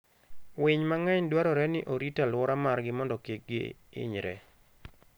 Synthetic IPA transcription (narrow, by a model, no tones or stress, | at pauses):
wɪɲmaŋaɲdwaɾɔɾɛnɪʔoɾitalwɔɾamarɡɪmɔndɔkeɡɪ̰ɪ̰ɲɾɛ̰